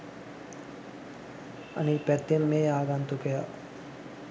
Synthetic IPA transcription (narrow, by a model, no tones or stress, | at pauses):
ɐ̰nipɛt̪ːemːeːaːɡant̪ukeja